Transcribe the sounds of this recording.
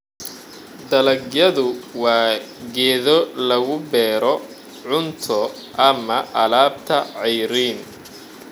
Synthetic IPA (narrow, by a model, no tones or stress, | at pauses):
d̪ɐlɐɡjɐðʊwɑːɡɛːðɔlɐɣʊbɛːɾɔ | ʕʊnt̪ʰɔ | ʔɐmɐʔɐlaːb̚t̪ʰɐʕɛjɾiːn